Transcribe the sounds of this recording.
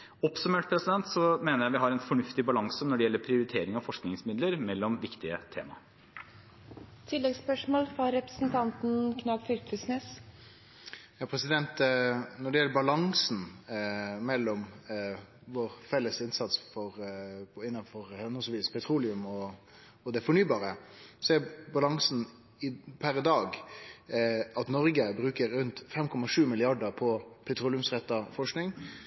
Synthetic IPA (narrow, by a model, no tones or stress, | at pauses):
ɔpsʉmeːʈ̚pʰɾɛsɪd̪ɛnt̪sɔmeːnəɾjæɪʋɪɦɑɾɛnfɔɳʉft̪ɪbɑlɑŋsənɔɖɛjɛlːəɾpʰɾɪʊɾɪt̪ʰeːɾɪŋɑʋfɔʂknɪŋsmɪd̪ləɾmɛlːɔmʋɪkt̪ɪət̪ʰḛːmɑ̰ | t̪ʰɪlːɛɡspœʂmoːlfɾɑɾɛpɾəsn̩t̪ʰɑnt̪n̩kʰnɑːɡfʏɾkʉsneːs | jɑːpʰɾɛsɪd̪ɛnt̪nɔɖɛjɛlːəbɑlɑŋsn̩ | mɛlːɔm | ʋoɾfɛlːəsɪnsɑt̪sfɔɾpʰɔɪnːɑnfɔɾhɛnʊsʋiːspʰɛt̪ʰɾuːlɪʉmɔ | ɔd̪ɛfɔɳyːbɑːɾəsɔɛbɑlɑŋsn | ɪpʰæɾd̪ɑːɡ | ɑt̪nɔɾɡəbɾʉːkəɾːʉnt̪fɛmkʰɔmɑʂʉːmɪlɪɑɖəpʰɔpʰɛt̪ʰɾuːlɪʉmsʁɛt̪ːɑfɔʂknɪŋ